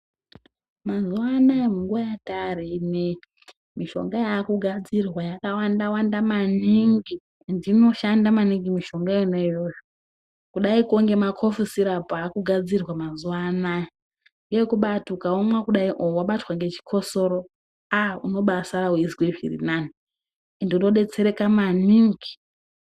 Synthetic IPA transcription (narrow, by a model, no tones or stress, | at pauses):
mazuwanaemuŋɡuwajatarine | miʃo̞̰ŋɡajakuɡʱad͡zirwajakawandawandamaniŋɡi | ndino̞ʃandamaniŋɡimiʃo̞ŋɡainejojo | kuɗaikoŋɡe̞makʰo̞fusiɾapaːkuɡʱad͡zirwamazuwana | ŋɡekuɓatukaomwakuɗaiʔowaɓatwaŋɡe̞t͡ʃi̥kʰo̞so̞ɾo | auno̞ɓasaɾawizikweʐḭrḭnani | ndinoɗe̞t͡se̞ɾe̞kamaniŋɡi